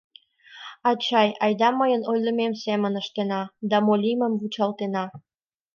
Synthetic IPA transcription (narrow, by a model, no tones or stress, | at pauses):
ɑt͡ɕɑjɑjd̪ɑməjənojləmemsemənəʃt̪enɑd̪ɑmolʲiməmvut͡ɕɑlt̪enɑ